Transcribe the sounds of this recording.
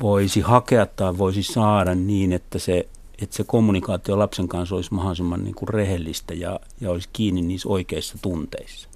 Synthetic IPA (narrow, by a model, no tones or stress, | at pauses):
ʋoisihɑkeɑt̪t̪ɑiʋʋoisisɑːɾɑnniːnet̪ːæse | et̪sekomːunikɑːt̪iolɑpseŋkɑnsolismɑhɑsemːɑnnḭːŋkurrehelːist̪æjɑ̰ | jɑoliskiːnːinniːsoikeisːɑt̪unt̪ḛisːɑ̥